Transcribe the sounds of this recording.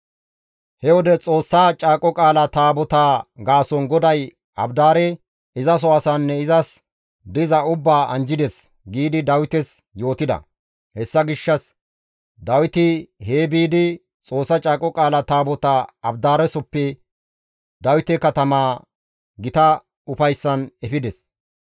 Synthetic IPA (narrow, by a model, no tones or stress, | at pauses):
hɛwɔd̪ɛt͡sʼo̞ːsːɐt͡ʃʼaːkʼɔkʼaːlɐt̪aːbɔt̪aːɡaːsɔnɡɔd̪ɐj | ɐbd̪aːɾɛ | ɪzɐs̬ɔɐsanːɛɪzɐs | d̪ɪzɐʊbːaːʔɐnd͡ʒɪd̪ɛs | ɡiːd̪ɪd̪ɐwɪt̪ɛs | jo̞ːt̪ɪd̪ɐ̰ | hɛsːɐɡɪʃːɐs | d̪ɐwɪt̪ɪhe̞ːbiːd̪ɪ | t͡sʼo̞ːsːɐt͡ʃʼaːkʼːɔkʼaːlɐt̪aːbɔt̪aɐbd̪aːɾɛsɔpːɛ | d̪ɐwɪt̪ɛkɐt̪ɐmaː | ɡɪt̪ɐ | ʊfɐjsːɐnɛfɪd̪ɛs